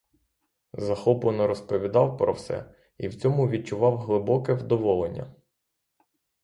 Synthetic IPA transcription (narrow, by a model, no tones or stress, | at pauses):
zɐxɔplˠenɔɾɔspɔʋʲid̪ɑwpɾɔ̰wsɛ̰ | iwt͡sʲɔmʊʋʲit͡ʃʊʋɑwɦlˠɪbɔkɛwd̪ɔʋɔlˠenʲːɐ̰